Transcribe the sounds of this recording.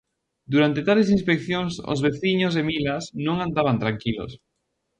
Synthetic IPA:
d̪uɾant̪et̪ales̬inspekθjoŋso̰zβeθiɲozðemilasnõŋãnd̪aβ̞ant̪ɾaŋkilo̰s

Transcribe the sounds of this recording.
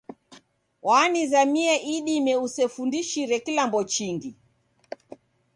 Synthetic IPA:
wanizamiɛʔiɗimɛusɛfundiʃiɾɛkilambɔt͡ʃiŋɡi

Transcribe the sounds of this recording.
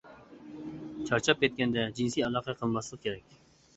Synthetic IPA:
t͡ʃʰɑɾt͡ʃʰɑp̚kʰʲɛt̪̚kʲɛnd̪ɛd͡ʒinsiɑlˠɑːqʰɑqʰəlˠmɑslˠəqkʲʰeɾɛkʲ

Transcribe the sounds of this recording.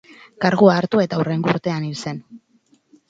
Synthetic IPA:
kaɾɣuaːɾt̪ue̞t̪aureŋɡuɾt̪e̞anilse̞n

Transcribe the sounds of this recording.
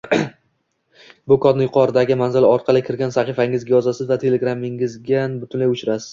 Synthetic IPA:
bʊkʰɒd̪nɪjʊqʰɒɾd̪aɡʲɪmanzɪlɒɾqʰɑlˠɪkʲʰɪɾɡʲansaχifaɪŋɪzɡʲajɒzasɪzvat̪ʰe̞le̞ɡɾamɪŋɪzɡʲanbʊt̪ʊnlajʊt͡ʃɾasɪ̥z̥

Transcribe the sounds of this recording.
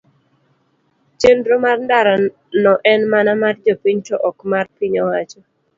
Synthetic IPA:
t͡ʃendɾomarndaɾa | nɔʔɛnmanamard͡ʒopiɲtɔʔɔkmarpiɲɔwat͡ʃɔ

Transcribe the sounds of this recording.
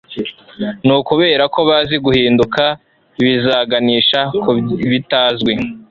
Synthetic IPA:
nuːkuβe̞ːɾako̞βaziɡuhiːnduka | βizaːɡaniːʃakuβitaːzɡwe

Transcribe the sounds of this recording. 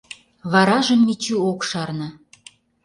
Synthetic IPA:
βɑɾɑʒə̆mnit͡ɕyokʃɑrnɤ̆

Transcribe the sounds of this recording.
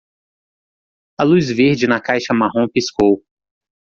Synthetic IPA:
ɐluzveɾd͡ʒɪnɐkajʃɐmaɦõpiskow

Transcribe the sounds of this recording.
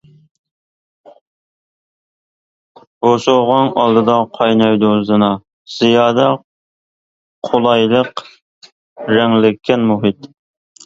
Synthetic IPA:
oʃoʁɑnɑlˠd̪ɨd̪ɑqʰɑjnɑjd̪ozɨnɑ | z̥ijɑːd̪ɑ | qʰolˠɑjlˠəq | ɾɛŋlɪkʲʰːɛnmuɦit̪

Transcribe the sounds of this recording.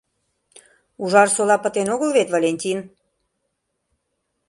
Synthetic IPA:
uʒɑrsolɑpə̆t̪enoɣəlβet̪volʲenʲtʲin

